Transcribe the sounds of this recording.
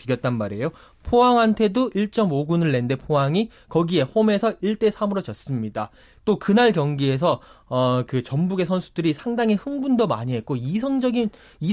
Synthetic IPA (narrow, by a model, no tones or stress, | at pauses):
piɡjʌt̚t͈anmaɾe̞jo | pʰoaŋɦantʰe̞doʔiɭt͡ɕ͈ʌmoɡunɯɭːe̞nde̞pʰoɦaŋi | kʌɡie̞home̞sʰʌiɭt͈e̞sʰamɯɾʌd͡ʑʌs͈ɯmɲida | t͈okɯnaɭkjʌŋɡie̞s̬ʰʌʌkɯt͡ɕʌmbuɡe̞sʰʌnsʰudɯɾisʰaŋdaŋɦihɯŋbundomaɲiɦe̞t̚k͈oisʰʌŋd͡ʑʌɡin | i